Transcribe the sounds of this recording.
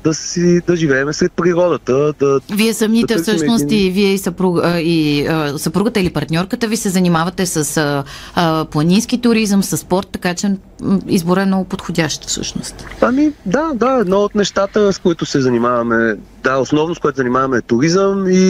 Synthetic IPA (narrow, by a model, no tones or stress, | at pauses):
d̪ɐsid̪ɐʒivɛɛmɛsɾɛt̪̚pɾiɾɔd̪ət̪əd̪ɐviɛsɐmnit̪ɛfsɤʃʃnost̪iviɛisɐpɾuɡisɐpɾuɡət̪əilipɐɾt̪nʲɔɾkət̪əvisɛzɐnimavɐt̪ɛsəsə | plˠɐninsk̟it̪ʊɾizəmsɐsːpɔɾt̪ːɐkat͡ʃɛ | izboɾəɛmnɔɡʊpot̪xodʲaʃt̪fsɤ̰ʃno̰st̪ɐmid̪ad̪aɛd̪nɔot̪nɛʃt̪at̪əskoit̪ʊsɛzɐnimavɐmɛ | d̪aosnɔvnoskoʊɛt̪ʊzənimavɐmɛːt̪ʊɾizəmi